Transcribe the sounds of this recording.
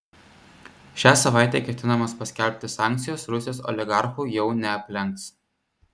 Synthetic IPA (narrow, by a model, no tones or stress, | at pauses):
ʃʲæːsɐʋɑˑɪt̪ʲɛːkʲɛt̪ʲɪnɐmɐspɐsʲkʲɛlʲpʲt̪ʲɪsɑˑŋʲk̚ʲt̪sʲɪjoːsɾʊsʲɪjoːsɔ̰lʲɪɡɑˑɾxuːˑjɛʊnʲɛɐpʲlʲɛŋk̚t̪s